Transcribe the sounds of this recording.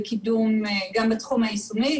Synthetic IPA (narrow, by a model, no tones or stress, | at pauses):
kidumɡambat̪χumhaisumi